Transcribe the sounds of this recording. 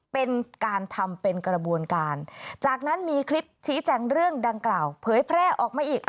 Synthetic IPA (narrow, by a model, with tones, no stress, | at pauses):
pe˧nkaː˧nt̪ʰa˧mpe˧nkɾa˧bu˧ənkaː˧nt͡ɕaː˨˩k̚na˦˥nmiː˧kʰli˦˥p̚t͡ɕʰiː˦˥t͡ɕɛː˧ŋɾɯ˥˩əŋda˧ŋklaː˨˩wpʰɤː˩˦jpʰɾɛː˥˩ʔɔː˨˩k̚maː˧˩ʔiː˨˩k̚ʔ